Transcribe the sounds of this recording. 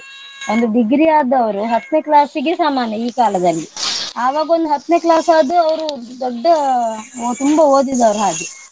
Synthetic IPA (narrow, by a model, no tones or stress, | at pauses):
ond̪uɖiɡɾijaːd̪ɐʋɐɾuɦɐt̪ːneːklaːsiɡesaːmaːnjɐiːkaːlɐd̪ɐlːiaːʋaːɡɐond̪uɦɐt̪ːneːklaːsaːd̪uɐʋɐɾud̪ɔɖːɐ | t̪umbɐoːd̪id̪ɐʋɾuɦaːɡi